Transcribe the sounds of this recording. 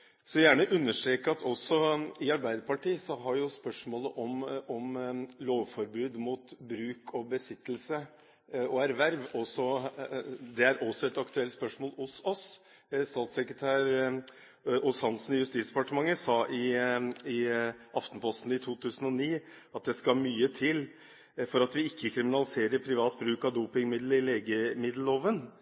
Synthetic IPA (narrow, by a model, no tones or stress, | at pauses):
sɔjæːɳəʔʉnːəʂʈ̪ɾeːkəɑt̪ʰɔsːɔɪɑɾbæɪd̪əɾpɑʈiːəsɔɦɑɾjʊspœʂmoːləʔɔmɔmloːʋfɔɾbʉːd̪muːt̪bɾʉːkʰɔbəsɪt̪ːlsə | ɔæɾʋæɾʋɔsɔ | d̪ɛæɾʔɔsɔɛt̪ɑkt̪ʉɛlt̪spœʂmoːlʊsɔs | st̪ɑːt̪sɛkɾət̪ʰæːɾ | ʊshɑnsn̩jʉst̪iːt̪sd̪ɛpɑʈəmɑŋːəsɑːʔɪɪʔɑft̪npʰɔst̪n̩ɪt̪ʰuːt̪ʰʉːsn̩ɔniː | ɑt̪̚d̪ɛskɑmyːət̪ʰɪl | fɔɾɑt̪ʋɪɪkʰːəkʰɾɪmɪnɑlɪseːɾəɾpʰɾɪʋɑːt̪bɾʉːkɑʋd̪uːpɪŋmɪd̪ləɪleːɡəmɪd̪l̩oːʋən